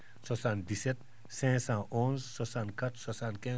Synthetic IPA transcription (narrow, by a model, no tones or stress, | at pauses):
sɔsãːnd̪iset̪̚ | sɛ̃ːsãːʔõːnzːɔsãːnkɐt̪ʰsɔsãːnkɛ̃ː